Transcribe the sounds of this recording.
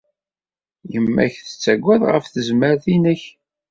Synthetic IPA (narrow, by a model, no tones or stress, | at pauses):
jəmːæ̰çθə̥t͡sːæɡʷːæðʁə̰fθəzməɾθinəç